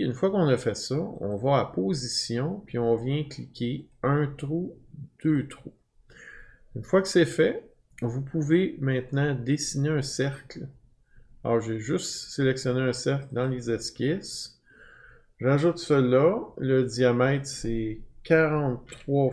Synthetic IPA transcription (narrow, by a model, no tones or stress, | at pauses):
y̰nfwakɔ̃nʌfɛsʌɔ̰̃vʌapozisjɔ̃pɥiɔ̃vjɛ̃klikʲʰe | œ̃t̪ʁud̪̥øːt̪ʁu | ynfwakə̥sɛfɛ | vupʰuvemɛ̃t̪nɑ̃d̪esineœ̃sɛʁkl | ɔːʁʒeʒʏst̪selɛksjɔneœ̃sɛʁkld̪ɑ̃lezɛskʲɪs | ʒaʒʊt̪səlʌləd̪iamɛɪt̪sɛkʲaʁɑ̃t̪ːχwɑ